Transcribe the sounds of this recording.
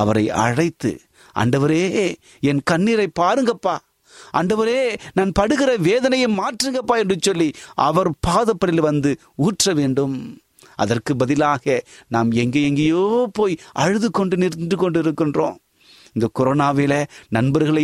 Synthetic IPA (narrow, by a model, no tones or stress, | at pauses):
ɐʋɐɾɐɪɐ̰ɻɐɪt̪ːɯ̰ | ɐ̰ɳɖɐʋɐɾeː | ɛnkɐɳːiːɾɐɪpːaːɾɯŋɡɐpːaː | ʔɐ̰ɳɖɐʋɐɾeːnaːnpɐɽɯɣɪrɐʋeːðɐnɐjɐmaːʈrɯŋɡɐpːaːɛndrɯt͡ʃːɔlːiʔɐ̰ʋɐɾpaːðɐpːɐɽɪlʋɐnd̪ɯ | uːʈrɐʋeːɳɖɯm | ʔɐ̰ðɐrkɯbɐðɪlaːɣɐnaːmɛŋɡeɛŋɡɐjoːpoːjɐɻɯðɯkːɔɳɖɯnɪɾd̪ɯkːɔɳɖɪɾɯkːɪndrõ̰ː | ɪnd̪ɐkɔɾoːnaːʋeːlɐnɐnbɐɾɣɐɭɐ